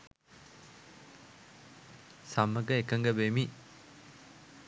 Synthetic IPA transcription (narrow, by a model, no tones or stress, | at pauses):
samɐɡɐjkɐŋɡɐbemi